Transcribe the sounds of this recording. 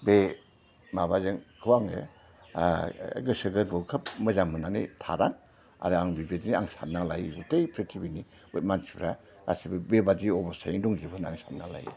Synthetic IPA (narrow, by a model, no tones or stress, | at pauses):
be | mabazɯŋkʰɯwaŋɯ̰ | ɡɯsɯɡɯɾbɔkʰɯp̚mɯzaŋmɯnanḭtʰaɾaŋ | a̰ɾɯaŋbibedniaŋsat̚nalajzetejpʰɾetʰibiniut̚mansipɾa | ɾa̰sibɯbebadiɔbɔsajŋdɔŋzibʰɯnaŋsat̚nala̰jḭ